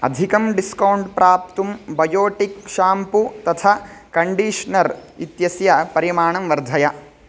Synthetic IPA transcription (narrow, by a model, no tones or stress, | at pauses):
ɐ̰d̪ʱikɐmɖiskɐwuɳɖpɾʔaːp̚t̪umbɐjoːʈikʃaːmput̪ɐt̪ʰakɐɳɖiːʂnɐɾit̪jɐsjɐpɐɾimaːɳɐmʋɐɾd̪ʱɐjɐ